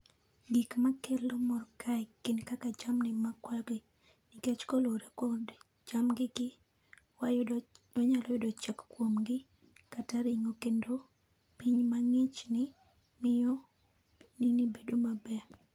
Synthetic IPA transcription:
ɡikmakelomɔɾkʰajkːɪnkakad͡ʒamnɪmakwaɡi | nɪkɛt͡ʃkoloɾekɔd | d͡ʒamɡɪɡɪ | wajdɔɲalɔjodɔt͡ʃɛkkwomɡɪ | kataɾɪŋokendo | piɲmaŋɪt͡ʃnɪ | mɪjɔ | ninibedomabɛ

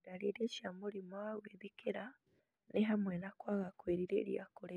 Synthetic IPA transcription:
ɾaɾeɾeʃjamuɾimaweβikʰeɾa | neɦamwenakwaɣakweːɾiɾḛːɾja̰koɾe

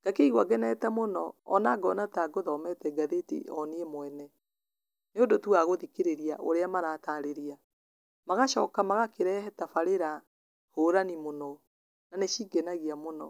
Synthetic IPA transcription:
ɡ̥akeiɣwaɡɛnɛtɛmonɔ̰ːnaɡɔnataɡoðɔmɛtɛɡaðetḛʔɔneemoɛnɛ | neondotuaɣoðikeɾeɾiaʔo̰ɾeamaɾaːtaɾeɾia | maɣaʃɔkamaɣakeɾɛɦɛtafaɾeɾa | hoːɾanimonɔ | naneʃiːɡɛnaɣiamonɔ

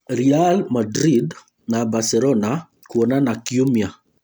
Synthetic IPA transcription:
ɾialmadɾid | nabasɛlɔna | kuɔnanakiumia

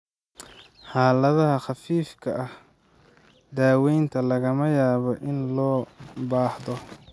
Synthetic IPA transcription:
ħaːlɐðɐɦɐχɑfiːfkʰɐʔɐh | d̪aːwɛjnt̪ʰɐlɐɣɐmɐjaːβɔʔɪnlɔːbaːħðɔ

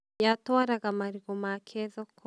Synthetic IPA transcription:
jatoaɾaɡamaɾiɡomakʰeðokʰo

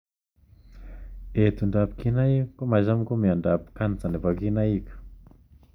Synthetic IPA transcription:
et̪uɳɖ͡ʐapi̥kinajikomazamkomiaɳɖ͡ʐapi̥kant͡sanavakinaiku̥

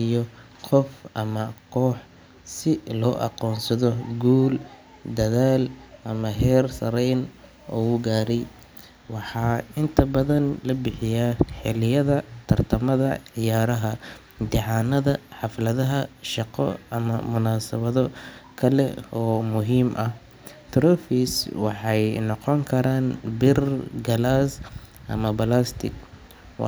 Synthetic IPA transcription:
ijɔ | qʰɔfʔɐmɐqʰɔːħ | sɪlɔːʔɑ̰qɔːnsɐðɔɡuːl | d̪ɐðaːlʔɐmɐɦɛːrsɐɾɛjn | ʔɔ̰ɣʊɡaːɾɛj | wɑħɑːɪnt̪ʰɐbɐðɐnlɐbɪħɪjaːħɪlɪjɐðɐt̪ʰɐrt̪ʰɐmɐðɐʕɪjaːɾɐɦɐ | d̪ɪʕɑːnɐðɐħɑflɐðɐɦɐʃɑqɔ̰ɐmɐ̰mʊnaːsɐβɐðɔkʰɐlɛ̰ɔːmʊɦiːmʔɐh | t̪ʰɾɔfiswɑħɑjnɑqɔŋkʰɐɾaːnbɪrɡɐlaːs | ʔɐ̰mɐbɐlast̪ʰɪ̰ɡ̚

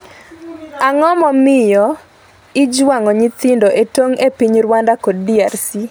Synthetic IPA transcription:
aŋɔmɔmɪjɔ | ɪd͡ʒwaŋɔɲit̪ɪndɔʔetoŋepiɲɾwandakodːiarsi

